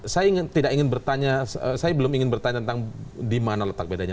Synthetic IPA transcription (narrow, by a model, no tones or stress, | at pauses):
sajaiŋɪnt̪idakiŋɪnbərt̪aɲasəsajabəlʊmiŋɪnbərt̪aɲat̪ənt̪aŋdimanalət̪ak̚bedaɲa